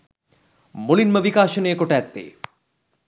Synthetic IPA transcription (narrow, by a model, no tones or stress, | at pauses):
molinmɐbikaːʃoneːkoʈɛt̪ːḛ